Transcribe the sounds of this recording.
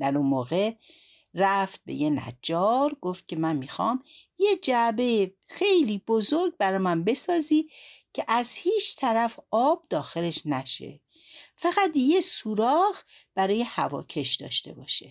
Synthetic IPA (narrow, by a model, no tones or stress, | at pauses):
d̪̥æɾunmoːɣe̞ | ræft̪̚be̞̰jenæ̰d͡ʒɒːɾɡoft̪̚cʲʰe̞mænmiːxɒːmje̞d͡ʒæbe̞je | xe̞jliːbozoɾɡ̚bæɾɒmænbe̞sɒːziːcʰeʔæzhiːt͡ʃʰt̪ʰæɾæfɒːb̥̚d̪ɒːxe̞le̞ʃnæʃḛ | fæɣæd̪jesuːɾɒːɣb̥æɾɒːje̞hævɒ̰ːcʰe̞ʃd̪ɒ̰ːʃt̪e̞bɒːʃe